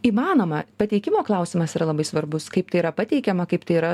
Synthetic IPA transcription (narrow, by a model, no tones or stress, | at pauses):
iːmɑːnoːmɐpɐt̪ʲɛɪkʲɪmoːklˠɐˑʊsʲɪmɐsiːɾɐlˠɐbɐɪsʋɐɾbʊskɐɪp̚t̪ɐɪiɾɐpɐt̪ʲɛɪkʲɛmɐkɐɪpt̪ɐɪiɾɐ